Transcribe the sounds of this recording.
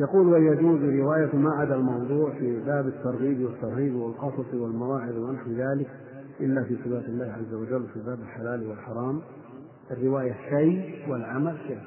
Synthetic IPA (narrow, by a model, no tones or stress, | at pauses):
jɑquːlwajad͡ʒuːzɾɪwaːjafimaʕad̪almɑwd̪ˤuːʕfibaːbat̪ːɑɾˤɣiːbiwɪt̪ːɑɾˤɣiːbiwɪlqɑsˤɑsˤiwɪlmawaːʕɪðwɪnaħwɪðaːlɪk | ʔɪlːafiːsˤɨfaːt̪alːaːhʕazːawad͡ʒalːwɪfibaːbalħalaːlwɪlħɑɾˤɑːm | ʔarːɪwaːjaʃajwɪlʕamalʃa